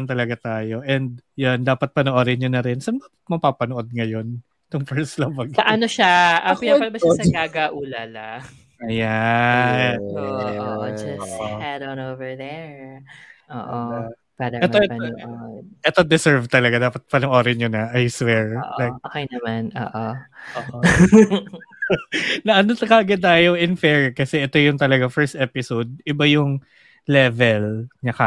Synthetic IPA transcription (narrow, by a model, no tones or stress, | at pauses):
nt̪ɐlɐɡat̪aːjo̞ʔɛnd̪̚jond̪aːpɐt̪̚pɐnoʔoɾɪɲonɐɾɛnsɐnd̪aːpɐt̪̚mɐpaːpɐnoʔo̞d̪̚ŋɐjo̞n | t̪ʊŋfɛɹslɐbɐɡsɐʔɐnoʃaʔɐiapɐlbɐʃasɐɡaːɡaʔuːlɐla | ɐja | d͡ʒɐoʔohadɐnovɛɹðɛɹ | ʔoːʔoa | padɐʔɛoɛoʔɛt̪od̪ɛsɛɹvt̪ɐlɐɡad̪aːpɐt̪̚pɐnɐŋʔoːɾɐɲonɐʔajswɛɹʔlajk̚oːkejnɐmanʔo̰ːʔooːʔo | nɐʔɐnot̪ɐkɐʔɡɐd̪ajowʔɪnfɛɹkɐsɛʔɛt̪o̞jʊŋt̪ɐlɐɡafɛɹst̪ʔɛpɪsowd̪̚ɪbajʊŋ | lɛvɛlɲɐkɐ